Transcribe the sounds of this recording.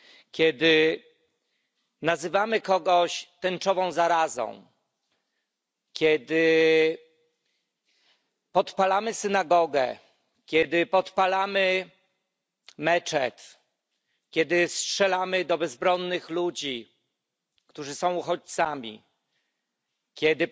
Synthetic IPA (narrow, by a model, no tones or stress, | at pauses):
kʲjɛd̪ɘ | nazɘvamɘkɔɡɔɕt̪ɛnt͡ʂɔvɔ̃w̃zaɾazɔ̰̃w̃ | kʲjɛd̪ɘ | pɔt̪palamɘsɘnaɡɔɡɛ̰ | kʲjɛd̪ɘpɔt̪palamɘ | mɛt͡ʂɛt̪ | kʲjɛd̪ɘstʂɛlamɘd̪ɔbɛzbɾɔnːɘxlud͡ʑi | kt̪uʐɘsɔ̃w̃uxɔt͡ɕt̪samʲḭ | kʲjɛd̪ɘ